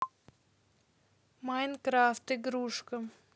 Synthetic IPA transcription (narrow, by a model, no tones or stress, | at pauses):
majnkɾaft̪ɨɡɾuʂkə